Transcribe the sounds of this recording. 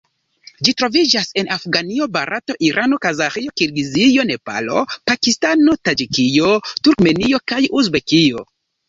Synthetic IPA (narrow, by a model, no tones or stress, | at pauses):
d͡ʒitɾo̞vid͡ʒase̞nʔafɡanio̞baɾʔato̞ʔiɾʔano̞kazaχio̞kiɾɡizijo̞ne̞pa̰lo̞̰pakistano̞tad͡ʒikijotuɾkme̞nio̞kajuzbe̞kio̞